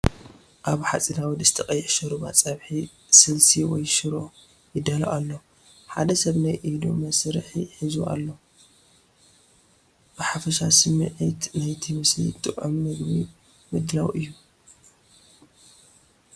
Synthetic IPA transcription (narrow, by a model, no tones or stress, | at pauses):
ʔaβħat͡sʼinawid̪ɨst̪ʰɐqʼɐjːħʃɐɾuba̰t͡sʼɐβħi | sɨlsiwɔjʃɨɾo̞ | jɪd̪alaʔalːo | ħa̰d̪ɐsɐβnajʔid̪o̰mɐsɾħiħizua̰lːo | b̥ɨħafɐʃasɨmɨʕit̪najt̪ʰimɨsḭt̪ʼːɨʔʼomnɨɡbi | mɨd̪lawʔɨjːu